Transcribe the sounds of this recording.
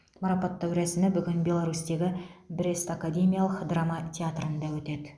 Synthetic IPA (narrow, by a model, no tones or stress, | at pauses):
maɾɑpat̪ʰːæwɾæsɪnɪbʏɡʲɪnbʲe̞lˠaɾust̪e̞ɡʲɪbɾest̪akad̪ʲe̞mʲijalˠəqd̪ramat̪ʰʲeat̪rənd̪ɑwɵt̪e̞d̪ɪ